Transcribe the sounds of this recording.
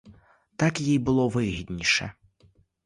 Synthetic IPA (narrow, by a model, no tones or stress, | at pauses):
t̪akjijbɨlˠɔvɨɣʲid̪ʲnʲiʂɛ̰